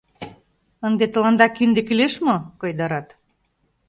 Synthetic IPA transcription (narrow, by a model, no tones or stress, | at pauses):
ənd̪et̪ə̆lɑnd̪ɑkynd̪ekyleʃmokɤjd̪ɑɾɑt̪